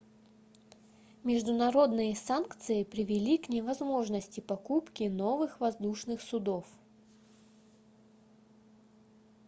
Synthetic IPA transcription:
mʲɪʐd̪ʊnɐɾo̞d̪nɨjəsankt̪sɨjɪpɾʲɪvʲɪlʲiknʲɪvɐzmo̞ʐnəsʲtʲɪpɐkupkʲɪno̞vɨxvɐzd̪uʂnɨxsʊd̪o̞f

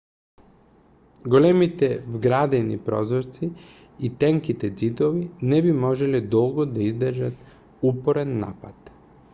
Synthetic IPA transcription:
ɡolɛmit̪ɛvɡɾad̪ɛnipɾɔ̰zɔɾt̪si | it̪ɛŋkit̪ɛd̪zid̪ovinɛbimɔʒɛlɛd̪ɔlˠɡɔd̪aizd̪rʒat̪ | upɔɾɛnːa̰pat̪

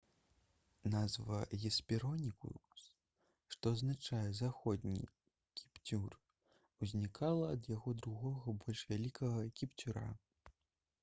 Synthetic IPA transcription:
nazvɐɣʲɛspʲiɾɔnʲikṵs | ʂt̪ɔɐznat͡ʂajɛzaxɔd̪ʲnʲḭ | kʲipt͡sʲur | uzʲnʲikʰalˠɐːd̪jaɣɔd̪ɾuɣɔɣɐbɔlʲʂvʲalʲikɐɣɐkʲipt͡sʲuɾa̰

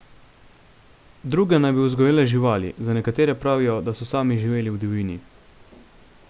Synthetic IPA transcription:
d̪ɾuːɡɛnajbiuzɡɔjeːlɛʒiʋaːlḭzanɛkat̪eːɾɛpɾaːʋijɔd̪asɔsaːmiʒiʋeːliwd̪iʋiːni

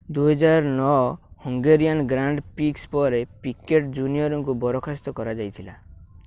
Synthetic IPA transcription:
d̪uɦɔd͡ʒaɾnɔhɔŋɡeɾijanɡɾaɳɖpikspɔɾepikeʈd͡ʒunijɔɾɔŋkubɔɾɔkʰast̪ɔkɔɾad͡ʒajt̪ʰila̰

